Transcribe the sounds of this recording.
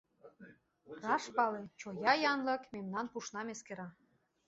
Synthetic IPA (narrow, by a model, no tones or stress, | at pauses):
rɑʃpɑlet͡ɕojɑjɑnlɤ̆kmemnɑnpuʃnɑmeskeɾɑ